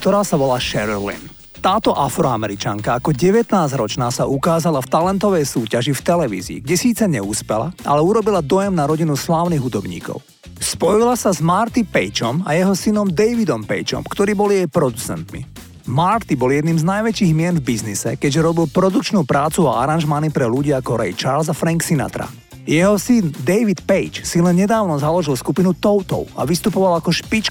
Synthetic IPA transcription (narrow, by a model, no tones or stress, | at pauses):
k̚t̪ɔɾaːsaʋɔlaʃɛɾlḭn | t̪aːt̪ɔʔafɾɔamɛɾit͡ʃaŋkaakɔɟɛʋɛt̪naːzɾɔt͡ʃnaːsaʔukaːzalaft̪alɛnt̪ɔʋɛjsuːcaʒift̪ɛlɛʋḭːzḭːɡɟɛsiːt͡sɛɲɛuːspɛla̰ʔa̰lɛuɾɔbilad̪ɔjɛmnaɾɔɟinuslaːʊniːɦud̪ɔbɲḭːkɔ̰ʊ | spɔjilasazmaːɾt̪ipɛjt͡ʃɔma̰jɛɦɔsinɔmd̪ɛjʋid̪ɔmpɛ̰jt͡ʃɔ̰mkt̪ɔɾiːbɔlijɛjpɾɔd̪ut͡sɛ̰nt̪mḭ | maɾt̪ibɔljɛd̪niːmznajʋɛt͡ʃiːɣmɪɛnvbiznisɛ̰kɛɟʒɛɾɔbilˠpɾɔd̪ukt͡ʃnuːpɾaːt͡sua̰a̰ɾanʒmanipɾɛluɟiːakɔɾɛjt͡ʃaɾlzafɾaŋksina̰t̪ɾa̰ | jɛɦɔsind̪ɛjʋit̪pɛjt͡ʃsilɛnɲɛd̪aːʊnɔzalɔʒilˠskupinut̪ɔʊt̪ɔ̰ʊa̰ʋist̪upɔʋalakɔʃpit͡ʃ